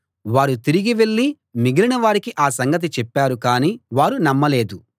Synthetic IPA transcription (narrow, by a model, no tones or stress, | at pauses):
ʋaːɾut̪iɾiɡiʋe̞ɭːi | miɡilinɐʋaːɾikiʔaːsɐŋɡɐt̪̬it͡ʃɛpːaːɾukaːniːʋaːɾunɐmːɐle̞ːd̪u